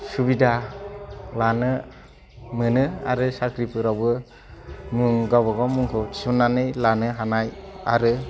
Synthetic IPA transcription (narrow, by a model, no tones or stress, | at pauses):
subida | lanɯ | mɯnɯa̰ɾɯsakʰɾipʰɯɾawbɯ | muŋɡawbaɡɔmuŋkʰɔi̥sunːanɯjlanɯɦanaja̰ɾɯ